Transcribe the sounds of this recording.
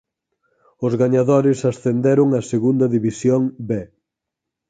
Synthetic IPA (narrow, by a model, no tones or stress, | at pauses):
ʊzɣaɲaðoɾɪsasθend̪eɾʊŋɐseɣund̪ɐðiβisjoŋbe